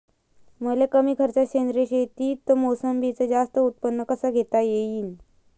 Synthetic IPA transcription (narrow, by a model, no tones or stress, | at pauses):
məlekəmiːkʰəɾt͡ɕaɕend̪ɾeɕet̪iːt̪ːomosəmbit͡səd͡zast̪əut̪̚pənːəkəsaɡʱet̪ajeiːn